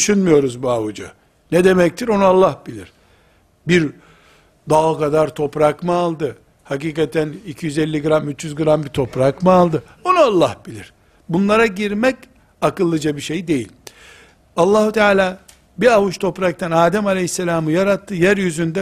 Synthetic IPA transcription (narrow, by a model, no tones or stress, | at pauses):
dyʃynmujo̞ɾuzbuavud͡ʒa | nɛd̪e̞mɛc̚t̪ʰiɾo̞nualˠːahbilʲḭɾ̥ | biɾ | d̪aːkad̪aɾt̪ʰo̞pɾakmɯalˠd̪ɯ | hakiːkat̪ʰænicʰijyzɛlʲːiɡɯɾamyt͡ʃjyzɡɯɾambit̪ʰo̞pɾakmɯalˠd̪ɯ | o̞nualˠːahb̥ilʲḭɾ̥ | bunlˠaɾaɟiɾmɛc | akɯlˠːɯd͡ʒabiʃe̞jd̪e̞jḭlʲ | alˠːaːɦut̪ʰaːlʲaː | biavut͡ʃt̪ʰo̞pɾak̚t̪ʰanaːd̪ɛmalʲehisːelʲaːmɯjaɾat̪ʰːɯjæɾjyzynd̪ɛ